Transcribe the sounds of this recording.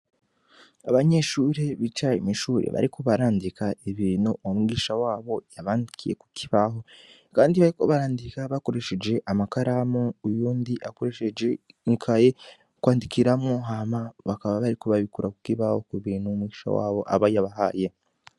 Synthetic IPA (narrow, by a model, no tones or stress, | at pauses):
aβaɲe̞ʃuːɾe̞βit͡ʃaḭmiʃuːɾḛβa̰ɾikʰo̞βaɾaːndikaeβiːnuwomɡiːʃawaːβo̞jaβaːndikʰije̞̰ku̥kʰiβaɦo̞ | kaːndiβaɾiko̞βaɾaːndikaβako̞ɾe̞ʃe̞d͡ʒe̞ʔamakaɾamoujuːndiʔakoɾe̞ʃed͡ʒeiŋkʰaje̞ | kwaːndikiɾamŋoɦamaβakaβaβaɾikoβaβikuɾaku̥kiβaho̞kuβiːnumɡiːʃa̰wa̰ːβo̞̰ʔa̰βajaβaɦaːje̞